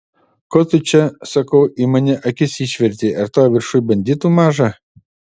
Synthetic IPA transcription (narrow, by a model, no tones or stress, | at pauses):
kɔt̪ʊt͡ʃʲɛsɐkɐʊʔimɐnʲɛʔɐkʲɪsʲiːʃʲʋʲɛɾʲt̪ʲiːʔɐɾt̪oːʋʲɪɾʃʊjbʲɐnʲd̪ʲɪt̪uːmɑːʒɐ